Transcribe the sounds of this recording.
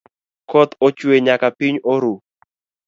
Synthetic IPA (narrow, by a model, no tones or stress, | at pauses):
kɔt̪ɔt͡ʃweɲakapiɲoɾu